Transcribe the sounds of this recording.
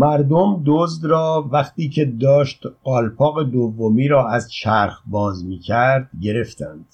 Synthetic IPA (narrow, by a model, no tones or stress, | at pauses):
mæɾd̪omd̪ozd̪rɒːvæχt̪iːcʰe̞d̪ɒːʃt̪ɒːlpʰɒːɣe̞d̪ovːomiːɾɒːæzt͡ʃʰæɾxbɒːzmiːcʰæɾd̪̥ɟe̞ɾe̞ft̪ʰænd̪̥